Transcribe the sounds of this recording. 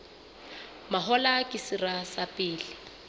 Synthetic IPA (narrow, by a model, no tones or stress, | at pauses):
maɦɔlakʼɪsirasapʼɪːlɪ